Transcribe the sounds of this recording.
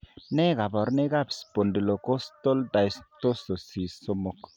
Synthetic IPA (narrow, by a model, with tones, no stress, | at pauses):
ne˦ɡa˨bɔ˨ɾne˦ɡa˦˨bspo˨ndi˨lo˨ko˦st̪o˦ld̪a˨jst̪o˦so˨si˨so˦mo˦k